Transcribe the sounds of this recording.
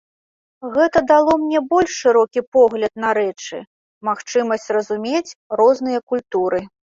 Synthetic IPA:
ɣɛt̪ɐd̪alˠɔmnʲɛbɔlʲʂʂːɨɾɔkʲipɔɣlʲɐt̪̚nɐɾɛt͡ʂɨ̰ | maxt͡ʂɨmɐsʲt͡sʲrɐzumʲet͡sʲrɔznɨjɐkulʲt̪uɾɨ

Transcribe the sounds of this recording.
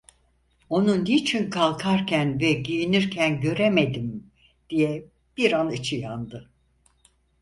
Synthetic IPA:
o̞nunit͡ʃʰinkʰalˠkʰaɾcʰænvɛɟijiniɾcʰænɟø̞ɾemed̪im | d̪̥ijɛ | b̥iɾanɯt͡ʃʰɯjand̪ɯ

